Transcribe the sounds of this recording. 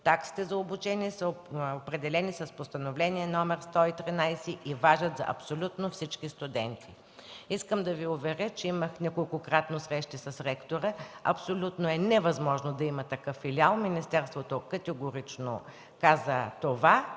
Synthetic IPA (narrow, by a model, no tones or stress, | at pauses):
t̪aksi̥t̪ɛzɐobʊt͡ʃɛniɛsəopɾɛd̪ɛlɛnisɐspost̪ɐnovlɛniɛnɔmɛɾst̪ɔit̪ɾinajsɛʔivaʒɐt̪zɐ̰ʔɐ̰psolʲut̪nofsit͡ʃkist̪ʊd̪ɛnt̪ʰi̥ | iskəmd̪ɐviʊvɛɾət͡ʃɛiməxnʲɐkolˠkokɾat̪nosɾɛʃt̪isɐsɾɛkt̪oɾəɐ̰psolʲut̪noɛnɛvɐzmɔʒnod̪ɐimɐt̪ɐkɤfːilʲialˠminist̪ɛɾst̪vot̪okɐt̪ɛɡoɾit͡ʃno̰ | kazət̪ova